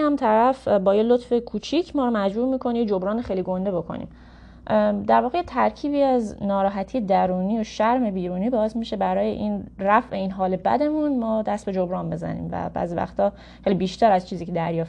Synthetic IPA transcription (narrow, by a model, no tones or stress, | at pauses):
hæmt̪ʰæɾæfbɒːjelot̪fe̞kʰuːt͡ʃʰiːcʰmɒːɾomæd͡ʒbuːɾmiːkʰo̞nid͡ʒobɾɒːneχejliɡo̞nd̪e̞bo̞kʰo̰nḭːm | d̪æɾvɒːɣejet̪ʰæɾcʰiːbiːæznɒːɾɒːɦæt̪ʰijed̪æɾuːniːjoʃæɾme̞biːɾuːniːbɒːesmiʃe̞bæɾɒːje̞̰ʔinræfʔe̞iːnɦɒːle̞bæ̰d̪e̞munmɒːd̪æst̪̚be̞d͡ʒobɾɒːnbe̞zæ̰nḭːmvæ̰bæ̰zivæ̰xt̪ɒː | χejlibiːʃt̪ʰæɾæzt͡ʃʰiːziːcʰed̪æɾjɒːf